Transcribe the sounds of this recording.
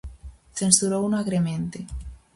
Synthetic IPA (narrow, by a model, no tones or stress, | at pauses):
θensuɾounaɣɾemẽnt̪e